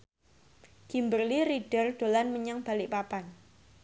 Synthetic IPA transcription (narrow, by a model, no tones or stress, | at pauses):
ɡ̥imbərliɾiɖ̥ərɖ̥olanməɲaŋb̥alɪʔpapan